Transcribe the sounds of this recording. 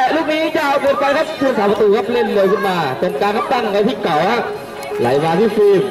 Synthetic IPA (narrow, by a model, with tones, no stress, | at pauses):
ɛ˨˧˩luː˥˩k̚niː˦˥t͡ɕa˧ʔa˧wkuː˧˩n̚pa˧jkʰa˦˥p̚kʰu˧ənsaː˩˦pa˧t̪uː˧kʰa˦˥p̚le˥˩nlɯ˧jkʰɯ˥˩nmaː˧pe˧nkaː˧nkʰa˦˥p̚t̪a˦˥˩ŋ˨ŋa˧t̪ʰiː˥˩ka˨˩˦wha˦˥ʔ | la̰˨˦jmaː˧t̪ʰiː˥˩sɯː˧˩